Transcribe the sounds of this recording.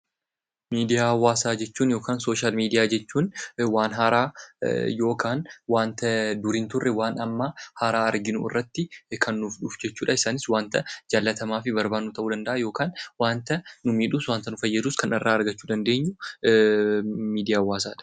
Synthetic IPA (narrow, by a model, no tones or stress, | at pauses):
miːd̪ɪjaːwːaːsaːd͡ʒɛt͡ʃːuːnjo̞ːkaːnso̞ːʃaːlmiːd̪ɪjaːd͡ʒɛt͡ʃːuːnwaːnɦaːɾaːjo̞ːkaːnwaːnt̪ɐd̪ʊɾiːnt̪ʊrːɛwaːnɐmːɐhaɾaːɐɾɡɪnʊʔɪ̰rːɐt̪ːɪkʰɐnːʊfᶑʊːfd͡ʒɛt͡ʃːuːᶑɐɪsaːnɪswaːnt̪ɐd͡ʒaːlːɐt̪ɐmaːfɪbɐɾbaːnːut̪ɐʔuːd̪ɐnd̪ɐʔajo̞ːkaːnwaːnt̪ɐnʊmiːᶑʊswaːnt̪ɐnʊfɐjːɐd̪uːskɐnɐrːaːɐɾɡɐt͡ʃːuːd̪ɐnd̪e̞ːɲːʊ | miːd̪ɪjaːwːaːsaːᶑɐ̥